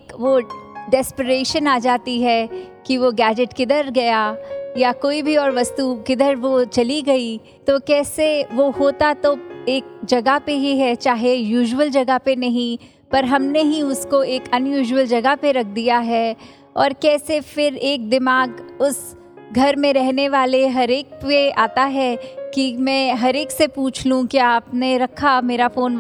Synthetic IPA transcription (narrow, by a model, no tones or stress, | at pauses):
kʋoɖɛːspəɾeːʃənaːd͡ʒaːt̪iɦɛ | kiʋoɡɛːd͡ʒɪʈkɪd̪əɾɡɐjajakoːibʱiɔːɾʋɐst̪ukɪd̪əɾʋot͡ʃɐliɡɐi | t̪okɛːseʋoɦoːt̪at̪oeːk̚d͡ʒɐɡapeɦiɦɛt͡ʃaːɦejuːʒwəld͡ʒɐɡəpenɐɦĩ | pɐɾɦɐmneɦiʊskoeːkɐnjuːʒwəld͡ʒɐɡəpeɾɐk̚ʰd̪ijaɦɛː | ɔːɾkɛːsefɪɾeːk̚d̪ɪmaːɡʊs | ɡʱɐɾmẽɾɛɦneʋaːleɦɐɾeːk̚peaːt̪aɦɛkimɛ̃ːɦɐɾeːksepuːt͡ʃʰlũkiaːpneɾɐkʰameːɾafoːn